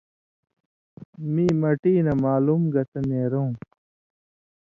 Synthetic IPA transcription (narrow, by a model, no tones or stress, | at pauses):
miːmɐʈiːnɐmaːlumɡɐt̪ɐneːɾõ